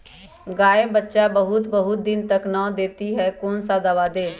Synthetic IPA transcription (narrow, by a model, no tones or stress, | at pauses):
ɡaːeːbətːʃaːbəɦʊt̪bəɦʊt̪̚d̪ɪnt̪əknãːd̪eːt̪iːɦɛːkoːnsaːd̪əʋaːd̪eː